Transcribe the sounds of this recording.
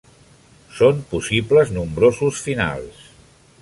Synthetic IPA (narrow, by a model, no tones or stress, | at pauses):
sompusibləznumbɾozusfina̰lˠs